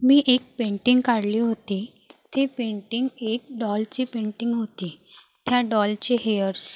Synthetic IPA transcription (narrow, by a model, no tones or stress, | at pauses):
miːʔek̚pẽɳʈiŋɡkaɽliːɦot̪i | t̪ʰepeɳʈiŋɡek̚ɖɔlt͡ɕipẽɳʈiŋɡɦot̪i | t̪ʰjaɖɔlt͡ɕeɦejəɾs